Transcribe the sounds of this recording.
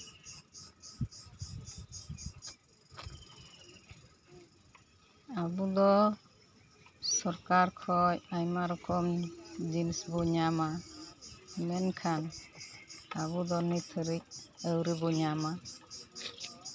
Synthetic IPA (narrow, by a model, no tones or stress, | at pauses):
abud̪ɔ | sɔɾkaɾkʰɔjajmaɾɔkɔmd͡ʒinsbɔɲama | mɛnkʰan | abud̪ɔnit̪ʰəɾic̚əwɾibɔɲama